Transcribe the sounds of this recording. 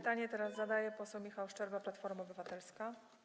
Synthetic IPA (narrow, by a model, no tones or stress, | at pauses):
t̪aɲɛt̪ɛɾazːad̪ajɛpɔsɛwmʲixawʂt͡ʂɛɾvaplat̪fɔɾmaɔbɘvat̪ɛlska